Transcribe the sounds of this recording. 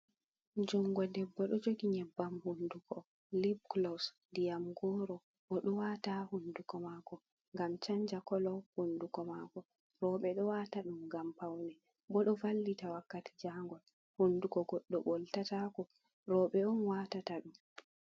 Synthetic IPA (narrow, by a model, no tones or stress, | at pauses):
d͡ʒumɡɔdɛbːɔɗɔd͡ʒoɡiɲɛbːamhundukɔ | libklɔs | dijamɡɔːɾɔ | ɓɔɗɔwatahundukɔmaːkɔ | ŋɡamt͡ʃaɲd͡ʒakɔlɔhundukɔmakɔ | ɾɔɓɛɗɔwataɗumɡampawnɛ | bɔɗɔvalːitawakːati̥d͡ʒaŋɡɔl | hundukɔɡɔɗːɔɓɔltatakɔ | ɾɔɓɛɔnwatataɗum